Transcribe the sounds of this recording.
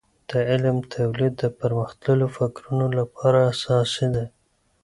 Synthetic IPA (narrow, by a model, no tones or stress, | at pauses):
d̪̥əɪlmt̪ʰawlid̪ːəpəɾməxt̪ləlofɪkɾunolapɑɾaːsɑsid̪a